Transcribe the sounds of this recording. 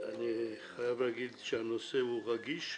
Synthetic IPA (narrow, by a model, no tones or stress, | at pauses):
a̰niχajavɾaɡilʃanosɛuʁaɡiʃ